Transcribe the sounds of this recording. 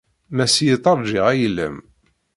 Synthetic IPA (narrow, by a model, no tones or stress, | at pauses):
mæsijət̪ˤɑɾˤd͡ʒiʁæjəlːə̰m